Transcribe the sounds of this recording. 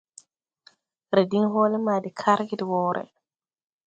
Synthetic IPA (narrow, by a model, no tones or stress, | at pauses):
ɾɛdinɦɔlɛmaːdikʰaɾɡidiwɔːɾʔɛ̰